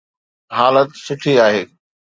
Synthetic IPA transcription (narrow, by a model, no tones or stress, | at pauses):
ɦaːlət̪sʊʈʰiaːɦeː